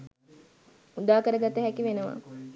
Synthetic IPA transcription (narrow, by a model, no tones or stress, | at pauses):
ud̪aːkəɾəɡat̪əɦækiʋenəʋa̰